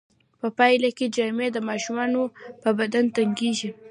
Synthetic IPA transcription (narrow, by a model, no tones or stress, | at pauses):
pəpɑjlaked͡ʒɑmed̪əmɑʃumɑnopəbad̪ant̪aŋɡeʒi